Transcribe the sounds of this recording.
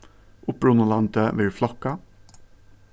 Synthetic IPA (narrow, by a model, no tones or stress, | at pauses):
ʔʊpɾʊnɑlɑnt̪ʰəʋeːflɑkɑ